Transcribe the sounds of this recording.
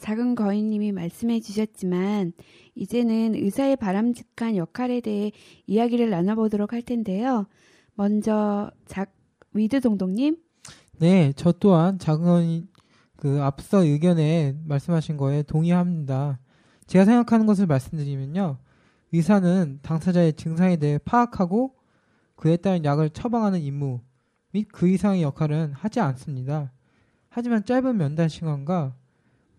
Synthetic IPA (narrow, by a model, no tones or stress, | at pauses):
t͡ɕaɡɯnɡʌiɲːimimaɭs͈ɯmɦe̞d͡ʑuɕʰʌt̚t͡ɕ͈iman | id͡ʑe̞nɯnɯsʰae̞paɾamd͡ʑikʰanjʌkʰaɾe̞de̞ɦe̞ | ijaɡiɾɯɭːanabodʌɾok̚haɭtʰe̞nde̞jo | mʌnd͡ʑʌt͡ɕaɡ̚ | ɥidɯdoŋdoŋɲim | ne̞t͡ɕʌt͈oɦant͡ɕaɡɯɲ | kɯaps͈ʌɯɡjʌne̞maɭs͈ɯmɦaɕʰinɡʌe̞toŋiɦamɲida | t͡ɕe̞ɡasʰe̞ŋɡakʰanɯnɡʌs̬ʰɯɭmaɭs͈ɯmdɯɾimjʌɲo | isʰanɯntaŋsʰad͡ʑaet͡ɕɯŋs̬ʰaŋe̞de̞ɦe̞pʰaːkʰaɡo | kɯe̞t͈aɾɯnjaɡɯɭt͡ɕʰʌbaŋɦanɯnimːu | mit̚kɯisʰaŋejʌkʰaɾɯnhad͡ʑians͈ɯmɲida | had͡ʑimant͡ɕ͈aɭbɯnmjʌndanɕʰiŋanɡa